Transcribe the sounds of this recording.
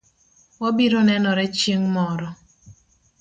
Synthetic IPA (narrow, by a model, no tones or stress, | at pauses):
wɔbiɾɔnɛnɔɾɛt͡ʃjeŋmɔɾɔ